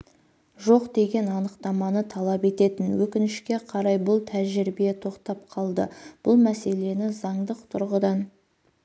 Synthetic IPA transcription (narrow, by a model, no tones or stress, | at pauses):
ʒo̞qd̪e̞ɡʲe̞nɑnəqt̪ɑmɑnət̪ʰɑlˠɑpe̞t̪e̞t̪ɪnwɵkʲɪnɪʃkʲe̞qʰɑɾɑjbʊlˠt̪ʰæʒɪɾbijet̪ʰo̞qt̪ɑp̚qʰɑlˠd̪ə̰b̥ʊlˠmæse̞le̞nɪzɑɴd̪əq̚t̪ʰʊɾʁəd̪ɑn